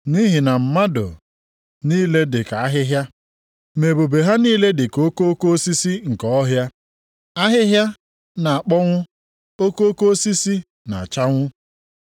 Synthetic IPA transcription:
ni˦ɦi˨na˨m̩˨ma˦do̰˨ | niː˦le˦dɪ˨ka˨a˦ɦɪ˦ɦja˦ | me˨bo˨be˨ɦa˦niː˦le˦dɪ˨ko˦ko˦ko˦si˦si˦ŋ̩˨kɔ˦ɔ˦ɦja˦ | a˦ɦɪ˦ɦja˦ | na˨a˨k͡pɔ˦ŋʷʊ˦ | o˦ko˦o˦ko˦si˦si˦ | na̰˨a˨t͡ʃa˦ŋʷʊ˦

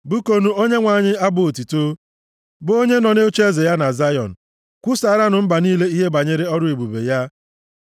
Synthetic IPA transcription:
bu˦ko˦nu˦o˦ɲe˦ŋʷa˨ɲɪ˦a˦bʊ˨o˨ti˨to˦ | bo˦ɲe˦nɔ˨ne˦o˦t͡ʃe˦ze˨ja˦na˨za˦jɔ̰˨n̩˨ | kʷu˦sa˨ɾa˦nʊ˨m̩˦ba˨niː˦le˦i˦ɦe˦ba˨ɲe˦ɾe˦ɔ˦ɾʊ˦e˨bu˨bḛ˨ja˦

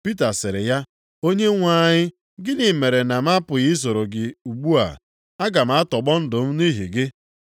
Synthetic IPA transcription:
pi˦ta˨sɪ˨ɾɪ˨ja˦ | o˦ɲe˦ŋʷa˦˨ɲɪ˦ | ɡɪ˦nɪ˨me˨ɾe˨na˨m̩˦a˦pʊ˨ɣi˦s̬o˨ɾo˨ɡɪ˨u˨ɡ͡bu˦a̰˨ | a˦ɡa˨m̩˨˦a˦tɔ˨ɡ͡bɔ˦n̩˦dʊ˨m̩˦ni˦ɦḭ˨ɡɪ˦

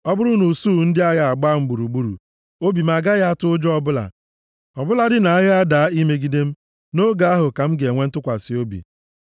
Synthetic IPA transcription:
ɔ˦bʊ˦ɾʊ˦nu˨su˦˨n̩˦dɪ˦a˦ɣa˨a˨ɡ͡ba˦m̩˦ɡ͡bu˨ɾu˨ɡ͡bu˦ɾṵ˨ | o˦bi˨m̩˦a˨ɡa˦ɣa˦a˦tʊ˦ʊ˦d͡ʒɔ˦bʊ˦la̰˨ | ɔ˨bʊ˦la˨dɪ˦na˨a˦ɣɪ˦a˦da˨˦i˦me˦ɡi˦de˦m̩˦ | no˦ɡa˦a˦ɦʊ˨ka˨m̩˦ɡe˨ŋʷe˦n̩˦tʊ˦kʷa˨sɪ˨o˦bḭ˨

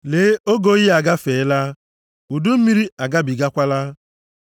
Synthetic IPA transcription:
leː˨˦o˦ɡo˦ɣi˦a˨ɡa˦feː˨˦la˦ | u˨du˦m̩˦mi˦ɾi˦a˨ɡa˦bi˨ɡa˦kʷa˦la˦

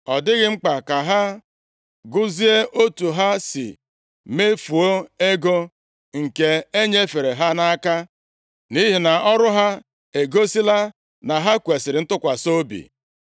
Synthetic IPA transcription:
ɔ˨dɪ˦ɣɪ˦ŋ͡m̩˦k͡pa˨ka˨ɦa˦ | ɡʊ˦zi˦e˦ʔo˦tu˨ɦa˦sɪ̰˨ | me˦fu˨o˦e˦ɡo˦ | ŋ̩˨ke˦e˦ɲe˦fe˨ɾe˨ɦa˦na˦a˦ka˦ | ni˦ɦi˨na˨ɔ˦ɾʊ˦ɦa˦ | e˨ɡo˦si˦la˦ | na˨ɦa˦kʷe˨sɪ˨ɾɪ˨˦n̩˦tʊ˦kʷa˨so˦bḭ˨

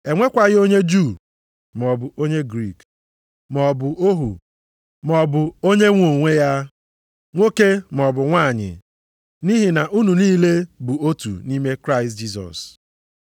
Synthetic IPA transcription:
e˨ŋʷe˦kʷa˨ɣɪ˦o˦ɲe˦d͡ʒu˦˨ | m˨ɔ˨bʊ˨o˦ɲe˦ɡɾi˦˨k | m˨ɔ˨bʊ˨o˦ɦṵ˨ | mɔ˨bʊ˨o˦ɲe˦ŋʷo˨ŋʷe˦ja˦ | ŋʷo˦ke˦m˨ɔ˨bʊ˨ŋʷa˦˨ɲɪ̰˨ | ni˦ɦi˨na˨ʔu˦nu˨niː˦le˦bʊ˨o˦tṵ˨ni˦me˦kɾa˦ɪ˨std͡ʒi˦s̬ɔ̰˨s

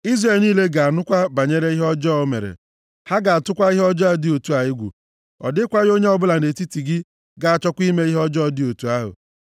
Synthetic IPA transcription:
i˦zre˨lniː˦le˦ɡa˨a˨nʊ˦kʷa˦ba˨ɲe˦ɾe˦i˦ɦɔ˦d͡ʒɔː˦o˦mḛ˨ɾḛ˨ | ha˦ɡa˨a˨tʊ˦kʷa˦i˦ɦɔ˦d͡ʒɔ˦a˦˨dɪ˦o˨tu˦a˨jɪ˦ɡʷṵ˨ | ɔ̰˨dɪ˦kʷa˦ɣo˦ɲe˦ɔ˦bʊ˦la˨e˨ti˦ti˨ɡɪ˦ | ɡa˨a˨t͡ʃɔ˦kʷi˦me˦i˦ɦɔ˦d͡ʒɔ˦dɪ˦o˨tu˨a˦ɦʊ̰˨

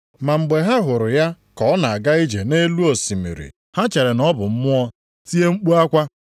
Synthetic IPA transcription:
ma˨ŋ͡m̩˨ɡ͡be˨ɦa˦ɦʊ˨ɾʊ˨ja˦ | kɔ˨˦ɔ˦na˨a˨ɡa˦i˦d͡ʒe˨ne˦lu˦o˨si˨mḭ˨ɾḭ˨ | ha˦t͡ʃe˨ɾe˨nɔ˦bʊ˨m̩˦mʊ˦ɔ˦ | ti˦e˦ŋ͡m̩˦k͡pu˦a˦kʷa˦

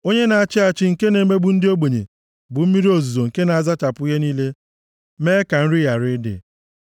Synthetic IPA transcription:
o˦ɲe˦na˨a˨t͡ʃɪ˦a˨t͡ʃɪ˦ŋ̩˨ke˦ne˨˦me˦bʊ˨n̩˦dɪ˦o˦ɡ͡be˨ɲḛ˨ | bʊ˨m̩˦mi˦ɾi˦o˨zu˨zo˨ŋ̩˨ke˦na˨a˨za˦t͡ʃa˨pʊ˦i˦ɦe˦niː˦le˦ | meː˦ka˨n̩˦ɾɪ˦ja˨ɾɪ˦dɪ̰˨

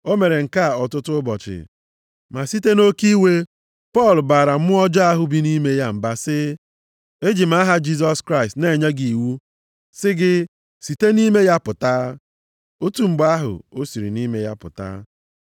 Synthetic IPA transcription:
o˦me˨ɾe˨ŋ̩˨ka˦˨ɔ˨tʊ˦tʊ˦bɔ˨t͡ʃɪ̰˨ | ma˨si˦te˦no˦ki˦we˦ | pɔ˦˨lbaː˨ɾa˨m̩˦mʊ˦ɔ˦d͡ʒɔ˦a˦ɦʊ˦bi˦ni˦me˦ja˦m̩˨ba˦sɪ˦ | e˦d͡ʒi˨m̩˦a˦ɦa˦d͡ʒi˦s̬ɔ˦skɾa˦ɪ˨stne˨ɲe˦ɡi˨wu˦ | sɪ˦ɡɪ˦ | si˨te˦ni˦me˦ja˦pʊ˨taː˦ | o˦tu˨ŋ͡m̩˨ɡ͡ba˦a˦ɦʊ̰˨o˦si˨ɾḭ˨ni˦me˦ja˦pʊ̰˨ta̰˦

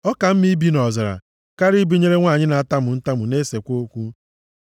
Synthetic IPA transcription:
ɔ˦ka˨m̩˦mi˦bi˦nɔ˨za˨ɾa̰˨ | ka˦ɾi˦bi˦ɲe˦ɾe˦ŋʷa˦˨ɲɪ˦na˨a˦ta˦mʊ˨n̩˦ta˦mʊ˨ne˦se˨kʷo˦kʷu˦

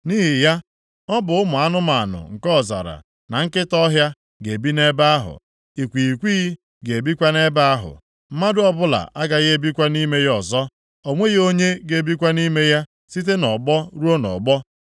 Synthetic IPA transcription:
ni˦ɦi˨ja˦ | ɔ˦bʊ˨ʊ˦mʊ˨a˦nʊ˦ma˨nʊ̰˨ŋ̩˨kɔ˦˨za̰˨ɾa̰˨ | na˨ŋ̩˦kɪ˦tɔ˦ɦja˦ | ɡe˨bi˦ne˦ba˦a˦ɦʊ̰˨ | i˨kʷi˨i˨kʷi˦ | ɡe˨e˨bi˦kʷa˦ne˦ba˦a˦ɦʊ̰˨ | m̩˦ma˦dʊ˦ɔ˦bʊ˦la̰˨ʔa˦ɡa˨ɣe˦bi˦kʷa˦ni˦me˦jɔ˨zɔ˦ | o˨ŋʷe˦ɣo˦ɲe˦ɡe˨bi˦kʷa˦ni˦me˦ja˦ | si˦t̬e˦nɔ˨ɡ͡bɔ˦ɾu˦o˦nɔ̰˨ɡ͡bɔ˦

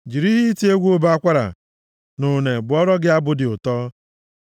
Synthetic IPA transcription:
d͡ʒi˨ɾi˦ɦi˦i˦ti˦e˦ɡʷu˦o˦ba˦kʷa˦ɾa̰˨ | nʊ˨ne˨bʊ˨ɔ˦ɾɔ˦ɡɪ˦a˦bʊ˦dɪ˨ʊ˨tɔː˦

